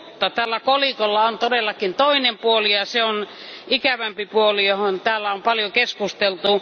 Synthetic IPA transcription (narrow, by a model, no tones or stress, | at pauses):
t̪ːɑt̪æːlːækolikolːɑont̪odelːɑkint̪oinempuolijɑseon | ikæʋæmpipuolijohont̪æːlːæompɑljokeskust̪elt̪u